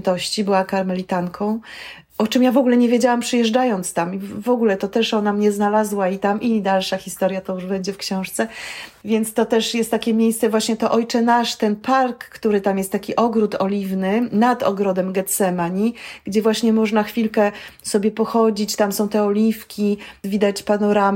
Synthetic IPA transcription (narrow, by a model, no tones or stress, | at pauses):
nt̪ɔɕt͡ɕibɘwakaɾmɛlʲit̪aŋkʰɔ̃w̃ | ɔt͡ʂɨmjavɔɡulɛɲɛvʲjed͡ʑawampʂɨjɛʐd͡ʐajɔnt̪st̪amivɔɡulɛt̪ɔt̪ɛʂɔnamɲɛznalazwait̪amʔid̪alʂaxʲist̪ɔɾjat̪ɔjuʐbɛɲd͡ʑɛfkɕɔ̃w̃ʂt̪sɛvʲjɛnt̪st̪ɔt̪ɛʂjɛst̪ːakʲɛmʲjejst̪sɛvwaɕɲɛt̪ɔʔɔjt͡ʂɛnaʂt̪ɛnpaɾkːt̪uɾɘt̪amjɛst̪ːakʲiʔɔɡɾut̪ɔlʲivnɘnad̪ɔ̰ɡɾɔd̪ɛmɡɛt̪sɛmaɲiɡ̥d͡ʑɛvwaɕɲɛmɔʐnaxfʲilkɛsɔbʲjɛpɔxɔd͡ʑit͡ɕt̪amsɔ̃w̃t̪ɛɔlʲifkʲivʲid̪at͡ɕpanɔɾam